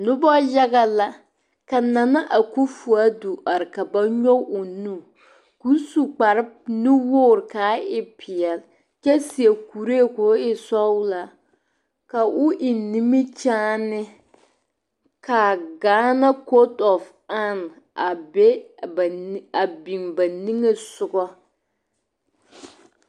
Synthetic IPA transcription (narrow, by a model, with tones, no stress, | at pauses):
nʊ˦bɔ˦ja˦ɡa˦la˦ | ka˨na˨na˦ʔa˨ku˦fu˨a˦du˨ʔa˨ɾɪ˨ka˨ba˦ɲɔ˦ʊ˨nu˦˨ | ku˨˦su˨k͡pa˨ɾɪ˦bnu˦woː˦˨ɾkaː˨˦ɪ˦pʰɪ˨ɛ˨l | t͡ʃɛ˦si˨e˨ku˨ɾe˦˨kʊ˨˦ɪ˦sɔ˦la˦ | ka˨ʔʊ˦ʔɪ˨ni˦mi˦t͡ʃaː˦nɪ˦ | ka˨ɡaː˨˦na˦ko˦tɔ˨f | a˦n˨ | a˨bɛ˦˨ | a˨bi˨ŋba˨ni˦ŋe˦sʊ˨ɡɔ˦